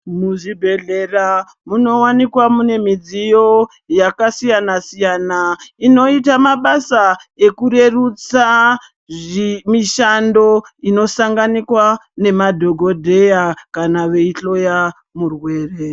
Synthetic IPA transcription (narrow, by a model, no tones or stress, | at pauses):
muʐibʱe̞ɮe̞ra | muno̞wanikwamune̞mid͡zijo̞ | jakasijanasijaːnaino̞itamaɓasae̞kuɾe̞rut͡sa | ʐmiʃando̞ino̞saŋɡanikwane̞madʱo̞ɡʱo̞dʱe̞jakanaʋe̞iɬo̞ja | murwe̞ːre̞